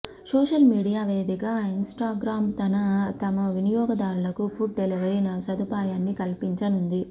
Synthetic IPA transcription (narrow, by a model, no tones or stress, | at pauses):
soːʂɐlmiːɽijaːʋeːd̪iɡaːinsʈaːɡɾaːmt̪ɐnɐt̪ɐmɐʋinijɔːɡɐd̪aːɾulɐkupʰuʈ̚ɖeliʋɐɾɐnɐsɐd̪upaːjaːnːikɐlpiɲt͡ʃɐnund̪i